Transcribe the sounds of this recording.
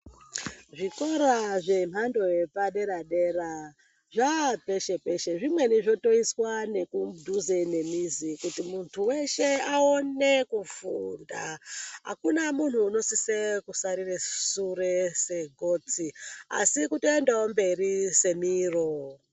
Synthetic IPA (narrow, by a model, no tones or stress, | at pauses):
ʐikoɾaʐe̞m̤ando̞jepaɗe̞ɾaɗe̞ɾa | ʐape̞ʃe̞pe̞ʃe̞ʐimwe̞niʐo̞to̞iswane̞kudʱuzene̞mizikutimuntʰuwe̞ʃe̞ao̞ne̞kufundaɦa̰kunamun̤uːno̞sisekusaɾiresurese̞ɡʱo̞t͡sia̰sikutoendaombe̞rise̞miːro